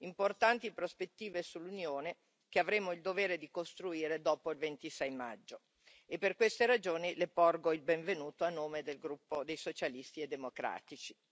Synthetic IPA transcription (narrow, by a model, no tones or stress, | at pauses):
import̪ant̪ipɾospet̪ːiːvesulːunjoːne | keavɾeːmoild̪oveːɾed̪ikost̪ɾuiːɾed̪ɔːpoilvent̪isɛjma̰d͡ʒːo | epːerkwest̪eɾad͡ʒoːnilepɔrɡoilbeɱvenuːt̪oanːoːmed̪elɡɾupːod̪ejsot͡ʃalist̪ied̪ːemokɾa̰ːt̪it͡ʃi̥